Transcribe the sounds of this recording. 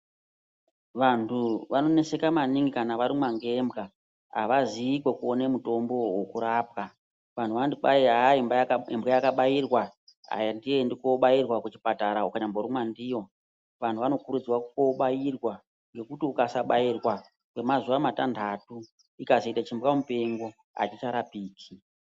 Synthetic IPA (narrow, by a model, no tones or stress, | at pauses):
ʋantʰuʋano̞ne̞se̞kamaniŋɡikanaʋaɾimwaŋɡe̞mbɡa | ɦa̰ʋaziːkwekuone̞muto̞mbo̞wokuɾapka | ʋan̤ʰuʋandiɓaiaembaembɣajakaɓajirwa | a̰jandijendikoɓairwakut͡ʃi̥pataɾaukaɲamboɾumwandijo̞ | ʋan̤uʋano̞kuɾud͡zwakuko̞ɓajirwa | ŋɡe̞kutiukasaɓairwa | kwemazuʋamatandʱatu | ikazoitat͡ʃimbwamupe̞ŋɡo | a̰t͡ʃit͡ʃaɾapiːkʰi